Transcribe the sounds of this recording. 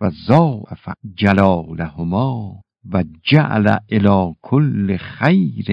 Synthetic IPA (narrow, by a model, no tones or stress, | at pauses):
azɑːʔafa̰d͡ʒalɒːlahʊmɒː | vad͡ʒaʔa̰la̰ʔelɒːkʰolːexajɾe